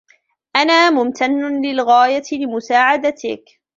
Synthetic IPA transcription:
ʔanaːmʊmt̪anːʊnlɪlɣaːjaɪlɪmʊsaːʕad̪at̪ɪ̰k

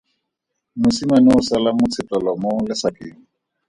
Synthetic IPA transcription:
mʊsimanɪʊsɛlamʊt͡sʰɪtʼɔlɔmolɪsakʼeːŋ̩

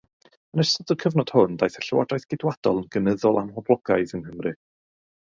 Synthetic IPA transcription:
ənəʃɔdəkʰəvnɔd̥hʊnd̥ajθaɬəwa̰dajθɡ̥ɪdwad̥ɔlˠənɡ̥ənəðɔlˠamɔblˠɔɡ̥ajðənhəmrɨ

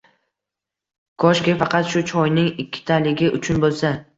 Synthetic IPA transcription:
kʰɒʃkʲafɑqɑt̪ʃʊt͡ʃʰɒjnɪŋɪkʲʰːɪ̥t̪ʰalɪɡʲɪʔʊt͡ʃʰʊnbolˠsa

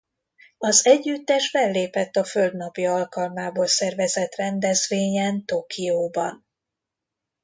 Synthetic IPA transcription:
ɒzɛɟːyt̪ːɛʃfɛlːeːpɛt̪ːɒføld̪nɒpiɒlkɒlmaːboːlsɛrvɛzɛt̪rɛnd̪ɛzveːɲɛnt̪okʰioːbɒn

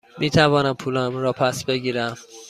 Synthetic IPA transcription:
miːt̪ʰævɒːnæmpʰuːlæmɾɒːpʰæsbe̞ɟiːɾæm

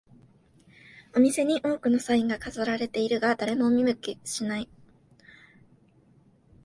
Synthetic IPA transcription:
omʲise̞ɲ̟iʔo̞ːkɯ̟no̞saĩŋɡakazoɾaɾe̞t̪e̞iɾɯ̟ɡad̪aɾe̞mo̞mʲimɯ̟kʲiɕinai

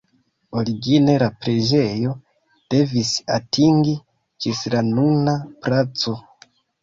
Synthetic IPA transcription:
oliɡineɾapɾeʒejo | d̥evisi̥atʰiŋɡi | t͡ʃisiɾanunapɾat͡so

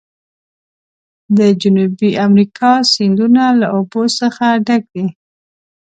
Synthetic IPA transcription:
d̪əd͡ʒʊnubiamɾikʰɑsɪnd̪unalaʔobosəxaɖaɡ̚d̪i

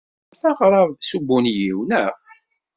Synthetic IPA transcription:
θɑʁɾˤɑðˤsubːunjiwnæʁ

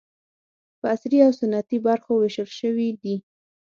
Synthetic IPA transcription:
pəasɾiawsʊnːat̪ibaɾxowɪʃəlʃəwid̪i

